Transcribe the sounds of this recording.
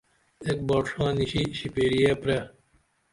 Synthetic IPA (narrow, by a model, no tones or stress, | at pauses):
ek̚bɔːʈʂɑːniɕiɕipeːɾijepɾe